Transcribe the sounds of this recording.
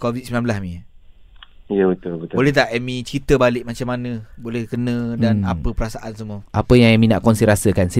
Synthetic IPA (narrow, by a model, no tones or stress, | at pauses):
kovit̪similãmblasmĩ | ijəbət̪ʊlbət̪bolɛht̪aʔɛmĩt͡ʃit̪əbalɪʔmat͡ʃamːanə̃bolɛhkənə̃danapəpəɾasaʔans̬əmuəʔapəjaŋɛmĩna̰ʔkɔnsiɾasəkansi